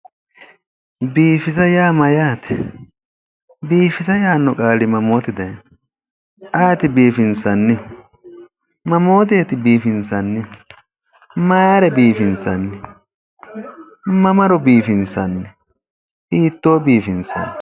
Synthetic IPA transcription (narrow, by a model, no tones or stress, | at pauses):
biːfɪzɐjaːmɐjaːt̪ɛ | biːfɪsɐjaːnːɔkʼaːlɪmɐmoːt̪ɪd̪ɐjn | ʔɐjt̪ɪbiːfɪnsɐnːɪ | mɐmo̞ːt̪̬eːt̪ɪbiːfɪnsɐnːɪ | mɐjaːɾɛbiːfɪnsɐnːɪ | mɐmɐɾɔbiːfɪnsɐnːɪ | hiːt̪ːoːbiːfɪnsɐ̰nː